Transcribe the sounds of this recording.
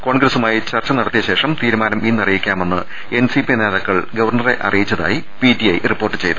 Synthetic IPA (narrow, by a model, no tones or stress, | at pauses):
ko̞ːɳɡɾɐsumaːjit͡ɕɐrt͡ɕːɐnɐɽɐt̪ːijɐɕe̞ːʂɐmt̪iːɾumaːnɐminːɐrɐjikʲːaːme̞nːɨ̰ | ensipineːðɐkːɐɭɡɐʋɐrɳɐre̞ʔɐ̰rijit͡ɕːɐða̰ːji | pitiɐjripːo̞ːrʈːɨt͡ɕe̞jt̪u